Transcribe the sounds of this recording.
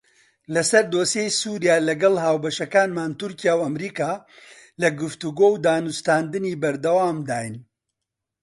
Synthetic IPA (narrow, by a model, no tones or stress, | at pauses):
lɐsɐɾd̪oːsejsuːɾijaːlɐɡɐlɦaːwbɐʃɐkaːnmaːnt̪uɾkijaːwɐmɾiːkaː | lɐɡɨft̪uɡoːwd̪aːnust̪aːnd̪ɨniːbɐɾd̪ɐwaːmd̪aːjn